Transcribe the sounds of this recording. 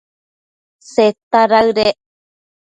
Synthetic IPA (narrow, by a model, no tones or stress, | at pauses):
set̪aɾaɨɾe